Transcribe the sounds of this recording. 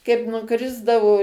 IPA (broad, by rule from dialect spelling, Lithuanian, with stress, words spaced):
kɐɪp nʊˈkrʲɪzdɐʋoː